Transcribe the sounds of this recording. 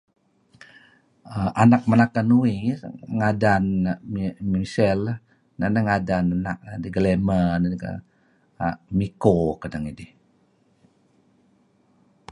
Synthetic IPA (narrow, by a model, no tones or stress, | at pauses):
əʔanak̚manakanuiŋadan | misɛl | nanəŋadananak̚nadiɡəlemənaɡa̰ | mikokadaŋidih